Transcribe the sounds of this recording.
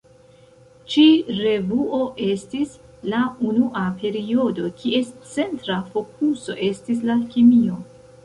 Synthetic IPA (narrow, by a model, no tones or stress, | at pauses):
t͡ʃiɾe̞vuo̞ʔe̞stis | launuʔapʰe̞ɾio̞do̞kʰiʔe̞st͡se̞ntɾafo̞kuso̞̰ʔe̞stis̬lakimio̞